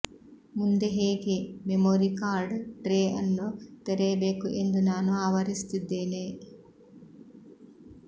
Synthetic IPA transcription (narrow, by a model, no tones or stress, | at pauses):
mund̪eɦeːɡememoːɾikaːɾɖʈɾeːʔɐnːut̪eɾebeːkuʔend̪unaːnuaːʋɐɾist̪id̪ːeːne